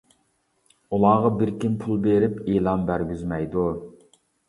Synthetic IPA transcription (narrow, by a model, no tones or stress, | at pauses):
ulˠɑːʁɑbiɾkʲimpʰulˠbeɾɪpeːlˠɑnbæɾɡʲyzmɛjd̪u